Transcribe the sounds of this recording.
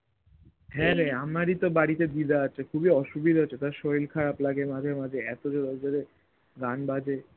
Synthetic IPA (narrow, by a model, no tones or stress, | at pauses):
ɦɛɾɛamaɾit̪obaɽit̪ed̪id̪aaːt͡ɕʰekʰubiɔʃubid̪ɦot͡ɕːɕʰet̪aɾʃojlkʰaɾaplaɡemad͡ʑʱeɾmad͡ʑʱeɛt̪od͡ʑoɾɔd͡ʑoɾe | ɡanbad͡ʑʱe